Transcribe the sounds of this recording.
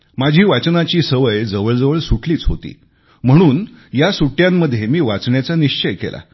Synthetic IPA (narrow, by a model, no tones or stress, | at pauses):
mad͡ʑʱiːʋat͡snat͡ɕiːsəʋəjd͡zəʋəɭd͡zəʋəɭsuʈʰliːt͡sɦo̰t̪ḭː | m̤əɽ̃uːnjasuʈjãmːəd̪ʱːjemiːʋat͡sɳjat͡saniɕt͡ɕəjkḛlʔa̰